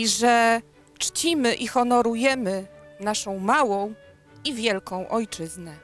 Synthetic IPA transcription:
ʐɛ | t͡ʂt͡ɕimɘʔixɔnɔɾujɛmɘnaʂɔ̃w̃mawɔ̃w̃ | ivʲjɛlkɔ̃w̃ʔɔjt͡ʂɘznɛ

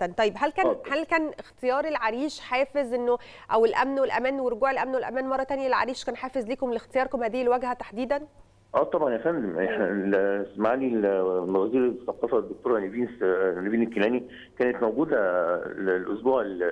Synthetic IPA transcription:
t̪ænt̪ˤɑjːebɦælkæːnhælkæːnext̪ejɑːɾˤelʕaɾiːʃħeːfezʔenːo | ʔæwelʔæmnwelʔæ̰mæːnweɾˤoɡuːʕelʔæmnwelʔæmæːnmɑrˤːɑt̪ænjælʕa̰ɾiːʃkæːnħaːfezliːkomlext̪ejɑːɾˤkomhæːd̪iːelwæɡhæt̪aħd̪iːd̪æn | ʔæːt̪ˤɑbʕɑnjæfænd̪meħnælsmaʕaːliːmæɣæziːɾsːɑqːɑːfæd̪ːok̚t̪oːɾˤaneviːnsneviːnekːilæːni | kæːnet̪mæwɡuːd̪ælelʔo̰sbuːʕel

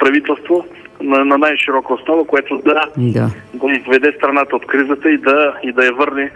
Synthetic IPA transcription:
pɾɐvit̪ɛlˠst̪vo | nɐnɐnajʃiɾɔkəosnɔvəkoɛt̪ʊd̪ɐd̪a | ɡ̪ɐizvɛd̪ɛst̪ɾɐnat̪əot̪kɾizət̪əid̪ɐid̪ɐjɐvɤɾnɛ

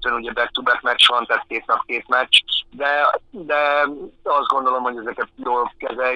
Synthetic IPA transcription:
øːnuɟɛbɛt̪ːubɛkmɛt͡ʃːʋɒnt̪æːt̪̚keːt̪nɒpkeːt̪mɛt͡ʃd̪ɛd̪ɛ | ɒzd̪ɡo̞nd̪o̞lo̞mho̞ɟɛzɛkɛt̪̚joːlkɛzɛl

